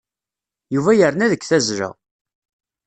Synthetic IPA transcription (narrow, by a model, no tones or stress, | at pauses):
juvæjəɾnæðəkːθæzɾə̰ʁ